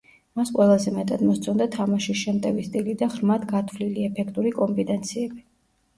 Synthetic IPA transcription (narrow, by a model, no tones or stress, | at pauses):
masqʼwɛlˠazɛmɛt̪ʼad̪mɔst̪sʰɔnd̪at̪ʰamaʃiʃɛmt̪ʼɛvist̪ʼilid̪aʁɾmat̪ɡat̪ʰvliliɛpʰɛkʰt̪ʼuɾikʼɔmpbit̪ʼɛnt̪sʰiɛbi